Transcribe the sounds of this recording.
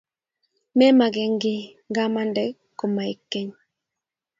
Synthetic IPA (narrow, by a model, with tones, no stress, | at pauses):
mɛ˦ma˨ɡɛ˨ŋɡɪ˦ | ŋɡa˦ma˦ndɛ˦ | kːo˨ma˨i˨kːɛ˦ɲ